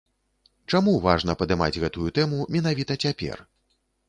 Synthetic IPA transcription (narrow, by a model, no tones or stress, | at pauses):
t͡ʂamuva̰ʐn̪ɐpɐd̪ɨma̰d͡zʲɣɛt̪ujut̪ɛmumʲɛnavʲit̪ɐt͡sʲapʲɛ̰r